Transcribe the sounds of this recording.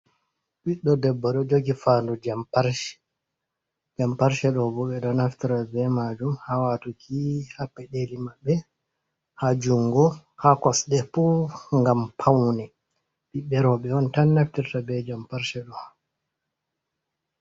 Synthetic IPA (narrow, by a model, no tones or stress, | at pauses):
ɓiɗɔdɛbːɔɗɔd͡ʒoɡifandud͡ʒampaɾʃɛ̥ | d͡ʒampaɾʃɛɗɔbɔɓɛɗɔnaftiɾabɛmad͡ʒumhawatukʰihapːɛɗelimabːɛ | had͡ʒuŋɡɔhakɔsɗɛfɔŋɡampʰawnɛ | ɓiɓɛɾɔɓɛɔntanːaftiɾtabɛd͡ʒampaɾʃɛɗɔha